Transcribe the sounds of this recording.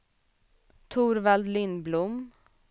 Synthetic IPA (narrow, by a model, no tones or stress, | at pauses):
t̪ʰuːɾvald̪lɪnblʊm